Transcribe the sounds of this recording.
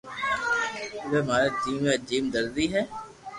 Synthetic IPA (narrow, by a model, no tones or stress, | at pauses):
ʋɛːmaːɾad͡ʒiːmad͡ʒiːmd̪əɾdiɦɛː